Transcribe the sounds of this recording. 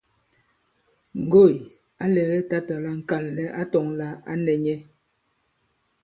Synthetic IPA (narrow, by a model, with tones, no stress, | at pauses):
ŋ̩˨ɡo˦˨j | a˦lɛ˨ɣɛ˦ta˦ta˨la˦ŋ̩˨ka˨lːɛ˦ʔa˦tɔ˨ŋla˦a̰˦nɛ˨ɲɛ˦